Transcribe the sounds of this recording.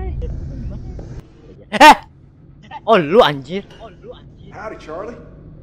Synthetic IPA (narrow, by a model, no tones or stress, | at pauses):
oluand͡ʒiɾ | haʊɾɨt͡ʃʰɑɹlˠi